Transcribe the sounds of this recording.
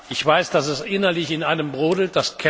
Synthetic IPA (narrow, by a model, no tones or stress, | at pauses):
ʔɪçv̥aɪsd̥asɛsʔɪnɐlɪçɪnaɪnəmbʁoːdl̩t̚d̥askʰɛ